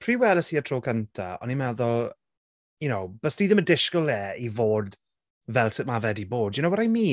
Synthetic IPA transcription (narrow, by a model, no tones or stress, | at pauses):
pʰr̥iːwɛlˠəsiətʰroːkʰəntʰaɔ̰nimɛðʊl | jʊnowb̥əsniːðəmədɪʃkɔlˠɛːivoːd | vɛlˠsɪtmavɛdiboːdjʊnowəɾajmiː